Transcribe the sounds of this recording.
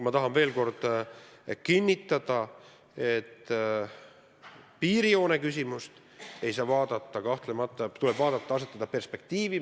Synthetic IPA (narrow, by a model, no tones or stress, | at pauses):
umɑt̪ɑɦɑnve̞ːlko̞rd̪̥ | kinʲːit̪ːˑɑd̪̥ɑ | e̞t̪ː | piːɾio̞ːnekys̬ʲimust̪ | e̞jsɑːvɑːd̪̥ɑt̪ːˑɑkɑht̪lemɑt̪ːˑɑt̪ule̞b̥vɑːd̪̥ɑt̪ˑːɑɑs̬e̞t̪ːˑɑd̪̥ɑpe̞rspe̞k̚t̪iːvi